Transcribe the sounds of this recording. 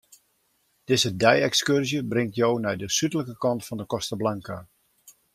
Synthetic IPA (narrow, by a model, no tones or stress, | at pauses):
d̥ɪzədɛjɛkskørzjəbrɪŋtjownɛjdəsytələkəkɑntfɔndəkɔstəblaŋka